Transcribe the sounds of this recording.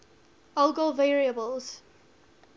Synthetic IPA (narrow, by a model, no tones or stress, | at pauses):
ɔlɡoveːɹiəbəlˠz̥